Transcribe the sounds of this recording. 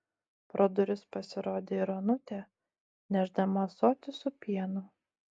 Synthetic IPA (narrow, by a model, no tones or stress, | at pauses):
pɾoːd̪ɔɾʲʊspɐsʲɪɾoːd̪ʲeːɪɾonʊt̪ʲɛ | nʲæʒd̪ɐmɐsoːt̪ʲɪsʊpʲiɛnʊ